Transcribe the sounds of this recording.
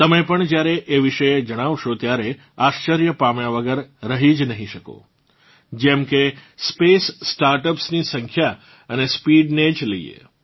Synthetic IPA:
t̪əmepəɳd͡ʒjaɾeʔeʋiʃəjed͡ʒəɽ̃aʋʃot̪jaɾe | aʃt͡ʃəɾjəpamjãʋəɡəɾːəɦid͡ʒnəɦĩʃəko̰ | d͡ʒɛmkespesːʈaɾʈəpsnisəŋkʰja | ənespiɖned͡ʒləḭḛ

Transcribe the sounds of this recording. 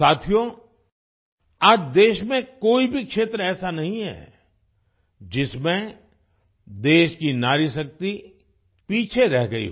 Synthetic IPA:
aːt̪ʰijo | aːd͡ʒd̪eːʃmẽkoːibʱikʃeːt̪ɾɛːsanɐɦĩɦɛ̰ː | d͡ʒɪsmẽ | d̪eːʃkinaːɾiʃɐk̚t̪i | piːt͡ʃʰeɾɛɦɡɐḭɦ

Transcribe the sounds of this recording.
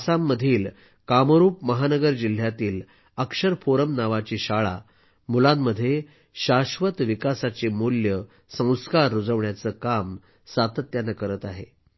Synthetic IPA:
samːəd̪ʱiːl | kamɾuːpməɦanəɡəɾd͡ʑil̤jat̪iːl | əkʂəɾpoɾəmnaʋat͡ɕiːɕaɭa̰ | mulamːəd̪ʱːje | ɕaɕʋət̪ʋikasat͡ɕemuljə | sə̃w̃skaɾːud͡zəʋɳjat͡səːkam | sat̪ət̪janːakəɾət̪aɦḛ

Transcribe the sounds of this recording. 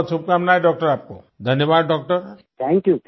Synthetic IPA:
supkamnajɖɔk̚ʈəɾaːp̚ko̰ | d̪ʱənjəbaːd̪̚ɖɔk̚ʈəɾ | t̪ʰɛ̃ŋkjut̪

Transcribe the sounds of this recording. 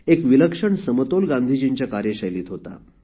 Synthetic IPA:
ekʋiləkʂəɳsəmət̪olɡãnd̪ʱiːd͡ʑiɲt͡ɕjakaɾjeɕəjliːt̪ɦot̪a̰

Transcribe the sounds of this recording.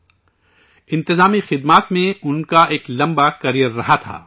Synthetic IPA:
ɪ̃nt̪ɪzaːmixɪd̪maːt̪mẽʊnkaʔeːklɐ̃mbakɐɾijəɾːɐɦat̪ʰa̰ː

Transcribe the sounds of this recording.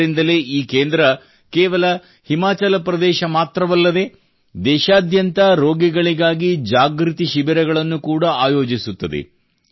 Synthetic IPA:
ɾind̪ɐle̞ːʔiːkeːnd̪ɾɐ | keːʋɐlɐ | himaːt͡ʃɐlɐpɾɐd̪ɛːʃɐmaːt̪ɾɐʋɐlːɐd̪e̞ | d̪ɛːʃaːd̪jɐnt̪ɐɾo̞ːɡiɡɐɭiɡaːɡid͡ʒaːɡɾit̪iʃibiɾɐɡɐɭɐnːukuːɽɐaːjo̞ːd͡ʒisut̪ːɐd̪ḛ

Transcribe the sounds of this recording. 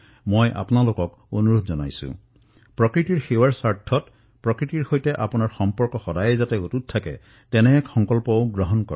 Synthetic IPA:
mojʔa̰pʊnalokɔk | onuɹodʱzɔna̰jsʊ̰̃ | pɹɔkɹitiɹxewaɹsaɹtʰːɔt | pɹɔkɹitiɹxojtɛʔapunaɹxɔmpɔɹkɔxɔdajɛzatɛotut̚ʰtʰːakɛ̰ | tɛnɛkxɔŋkɔlpɔʊɡɹɔɦɔnkɔ̰

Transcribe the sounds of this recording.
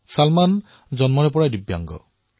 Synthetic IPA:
salman | d͡ʒɔnmɔɾepɔɽadibja̰ŋɡɔ̰

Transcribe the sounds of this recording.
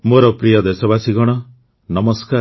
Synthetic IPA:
moɾɔpɾijɔd̪esɔbasiɡɔɽ̃ɔ | nɔmɔska

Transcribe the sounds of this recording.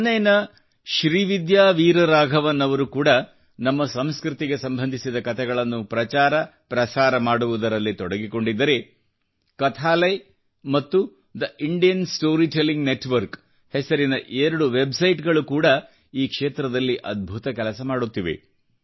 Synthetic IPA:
nːɐjnɐ | ʃɾiːʋid̪jaːʋiːɾɐɾaːɡʱɐʋɐnːɐʋɐɾukuːɽɐ | nɐmːɐsɐmskɾut̪iɡe̞sɐmbʱɐnd̪ʱisid̪ɐkɐt̪ʰɛɡɐɭɐnːupɾɐt͡ʃaːɾɐpɾɐsaːɾɐmaːɽuʋud̪ɐɾɐlːit̪ɔɽɐɡiko̞ɳɖid̪ːɐɾe̞ | kɐt̪ʰaːlɐj | mɐt̪ːu | d̪ɐʔiɳɖijɐnsʈo̞ːɾiʈelːiŋɡneʈʋɐɾk | hɛsɐɾinɐʔeɾɐɽuʋe̞bsɐjʈɡɐɭukuːɽɐ | iːkʂeːt̪ɾɐd̪ɐlːiʔɐd̪̚bʱut̪ɐkɛlɐsɐmaːɽut̪ːiʋe̞̰

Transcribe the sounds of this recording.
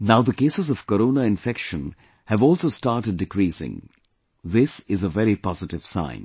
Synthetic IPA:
naʊd̪əkeːsɨzɔv̥kəɾoːnaɪ̃nfɛkʃə̃n | hɨvɔːlsoːstaːʈəɖ̚ːɪkɾiːsɪ̰̃ŋ | ðɪsɪzəvɛɾipɔzɪʈɪv̥sã̰ɪ̃n

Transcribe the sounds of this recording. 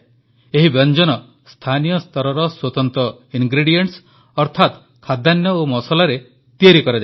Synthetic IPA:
eɦibɔnd͡ʒɔnɔ | st̪ʰanijɔst̪ɔɾɔɾɔswɔt̪ɔnt̪ɔiŋɡɾiɽijeɳʈs | ɔɾt̪ʰat̪ | kʰad̪ʱanjɔomɔsɔlaɾe | t̪ieɾikɔɾad͡ʒa

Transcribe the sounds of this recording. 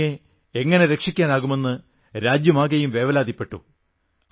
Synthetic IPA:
e | eŋːɐne̞ɾe̞kʂikʲːaːnaːɣume̞nːɨ | ɾaːd͡ʑjɐmaːɣɐjumʋe̞ːʋɐlaːd̪ipːe̞ʈːṵ

